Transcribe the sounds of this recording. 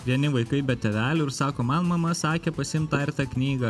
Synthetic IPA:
ʋʲiɛnʲɪʋɐɪkɐɪbʲɛt̪ʲɛʋʲæːlʲʊɪɾsɑːkoːmɐnmɐmɐsɑːkʲeːpɐsʲɪɪmt̪ɑːɪɾʲt̪ɑknʲiːɡɐ

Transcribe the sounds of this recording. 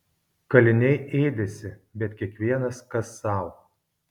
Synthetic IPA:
kɐlʲɪnʲɛɪʔeːd̪ʲesʲɪbʲɛt̪ʲkʲiɛkʋʲiɛnɐskɐsːɑˑʊ

